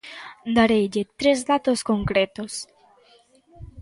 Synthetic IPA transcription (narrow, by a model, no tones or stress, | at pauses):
d̪aɾeʎet̪ɾezðat̪oskoŋkɾet̪os